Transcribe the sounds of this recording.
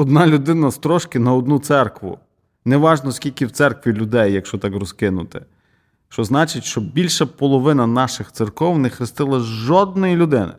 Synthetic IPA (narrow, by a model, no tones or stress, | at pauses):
ɔd̪nɑlʲʊd̪ɪnɐst̪ɾɔʃkɪnɐɔd̪nut̪sɛrkʋʊ̰ | nɛʋɑʒnɔskʲilʲkɪwt̪sɛrkʋʲilʲʊd̪ɛjːɐkʃt͡ʃɔt̪ɑkrɔskɪnʊt̪ɪ | ʃt͡ʃɔznɑt͡ʃɪtʲʃt͡ʃɔbʲilʲʃɐpɔlˠɔʋɪnɐnɑʃɪxt̪sɪrkɔwnɛxɾɪst̪ɪlˠɐʒɔd̪̚nɔjilʲʊd̪ɪnɪ̰